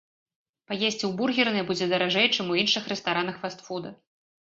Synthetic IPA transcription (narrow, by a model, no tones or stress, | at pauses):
pajesʲt͡sʲiwburɣʲirnɨjbud͡zʲɛd̪ɐɾaʐɛjt͡ʂɨmuinʂɨxrɛst̪aɾanɐxfast̪fud̪ɐ